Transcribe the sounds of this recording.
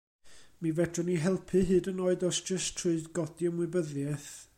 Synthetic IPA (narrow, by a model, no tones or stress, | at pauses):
mivɛdʰrɔniɦɛlˠpʰɨɦɨːdənoːɨdɔsd̥d͡ʒ̥əstʰrʊɨdɡɔdjəmwɨbəðjɛθ